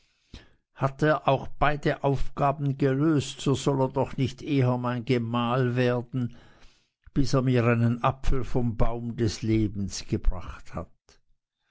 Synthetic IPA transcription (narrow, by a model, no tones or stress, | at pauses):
hateːɐʔaʊxb̥aɪdəʔaʊfɡ̥aːbn̩ɡəløːstz̥oːzɔleːɐdɔχnɪçtʔeːɦəmaɪnɡəmaːlveːɐdn̩ | b̥ɪseːɐmiːɐaɪnənʔapfl̩fɔmbaʊmdɛsleːbn̩sɡ̥əb̥ʁaχtha̰t̚